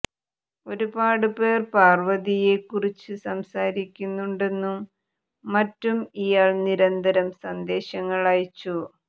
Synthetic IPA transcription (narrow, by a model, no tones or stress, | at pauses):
o̞ɾubaːɽɨpe̞ːrpaːrʋɐðije̞kːurit͡ɕːɨsɐmsaːɾikʲːunːuɳɖe̞nːumː | ɐtːumijaːɭniɾɐnd̪ɐɾɐmsɐnd̪e̞ːɕɐŋːɐɭaːjt͡ɕːu